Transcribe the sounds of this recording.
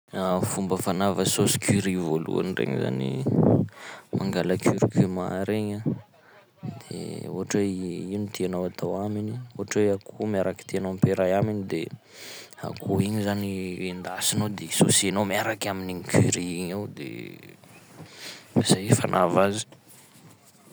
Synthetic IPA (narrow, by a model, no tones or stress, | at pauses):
afumbəfanavəsosi̥kiɾivolṵa̰nirḛŋ̰za̰nḭ | maŋɡaləkyɾikyma̰ɾeɲa | d̪̥ḛo̰aʈ͡ʂeiunt̪ʰeanaat̪ʰawaminioɦaʈ͡ʂeakʰumiaɾaki̥t̪eanampeɾajaminid̪e | a̰kʰuiɲizaniend̪asinod̪esosienomiaɾakaminiɲikʰyɾiiɲawd̪ḛ | asaifanʔavazi̥